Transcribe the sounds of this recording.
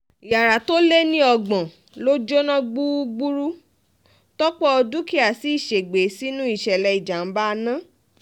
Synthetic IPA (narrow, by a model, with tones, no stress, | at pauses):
i˨ja˨ɾa˨to˦le˦nĩ˦ɔ˧ɡ͡bɔ̃˨ | lo˦d͡ʒo˦nã˦ɡ͡bu˦ɡ͡bu˦ɾu˦ | tɔ˦k͡pɔ˦ɔ˧du˦ki˦a˦˨si˨˦i˦˨ʃe˨ɡ͡be˨˦si˦nũ˦i˦˨ʃɛ˨lɛ˧i˨d͡ʒa˨n̩˦ba˦˧nã˦